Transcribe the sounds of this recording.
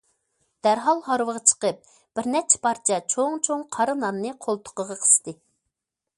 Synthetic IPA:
d̪̥æɾɦɑlˠhɑɾwəʁɑt͡ʃʰə̥qəp̚ | b̥ɪɾnɛt͡ʃʰɛ̥pʰɑɾt͡ʃʰɛt͡ʃʰoŋt͡ʃʰoŋqʰɑɾɨnɑnːɨqʰolˠt̪ʰʊ̥qəʁɑqʰə̥st̪ɨ

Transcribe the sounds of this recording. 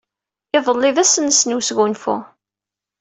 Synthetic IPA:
ɪðˤəlːɪvæsənsnusɡunfṵ

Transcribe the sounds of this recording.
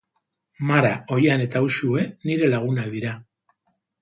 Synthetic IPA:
maɾao̞jane̞t̪ausue̞niɾe̞laɣunaðiɾa

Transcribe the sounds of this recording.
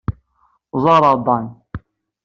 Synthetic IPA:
zɑɾˤɑd̪ɑn

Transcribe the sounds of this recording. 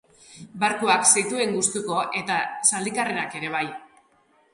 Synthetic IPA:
baɾkoaksajt̪ue̞ŋɡust̪uko̞ʔe̞t̪asald̪ikarenake̞ɾe̞β̞aj

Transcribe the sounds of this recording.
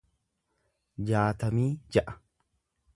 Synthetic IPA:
d͡ʒaːt̪ɐmiːd͡ʒɐʔɐ̥

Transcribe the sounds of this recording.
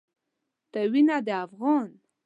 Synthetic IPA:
t̪awinad̪əafɣɑn

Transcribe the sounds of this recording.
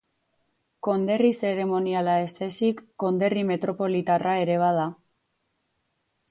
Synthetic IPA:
ko̞nd̪e̞rise̞ɾe̞mo̞nialae̞st̪esikːo̞nd̪e̞rime̞t̪ɾo̞po̞lit̪arae̞ɾe̞β̞aða

